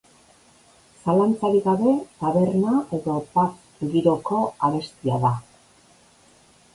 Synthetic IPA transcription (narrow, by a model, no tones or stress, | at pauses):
salant͡saɾiɣaβe̞t̪aβe̞ɾnaʔe̞ðo̞pas | ɡiɾo̞ko̞aβe̞st̪iaða